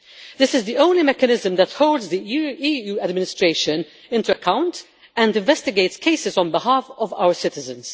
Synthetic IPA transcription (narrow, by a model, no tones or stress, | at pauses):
d̪ɪsɪzd̪iõʊ̃nlimɛkənɪzə̃md̪æthoʊldzd̪iiːuːɐdmɪnɪstɾeɪʃə̃n | ɪ̃ntuɐkãʊ̃nt | ɛ̃ndɪ̃ɱvɛst̪ɪɡeɪtskʰeɪsɪzɔ̃nbɪhaːfɔva̰ʊə˞sɪt̪ɪzə̃ns